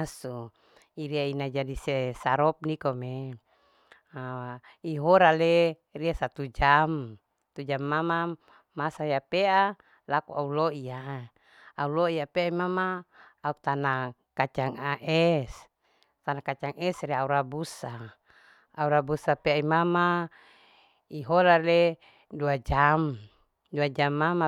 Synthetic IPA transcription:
su | iɾiainad͡ʒadisesaɾɔp̚nikome | a | iɦoɾale | riasat̪ud͡ʒam | t̪ud͡ʒamːama | masaiapeʔa | lakuʔauloia | auloiapeaimamaːut̪anakat͡ʃaŋaʔɛs | t̪anakat͡ʃaŋɛsriauɾabusa | auɾabusapeaimama | iɦoɾale | duad͡ʒam | duad͡ʒamːama

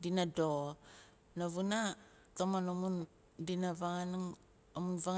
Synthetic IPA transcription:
dinado | naβuna | tomanomun | dinavaŋanŋ | omunvaŋ

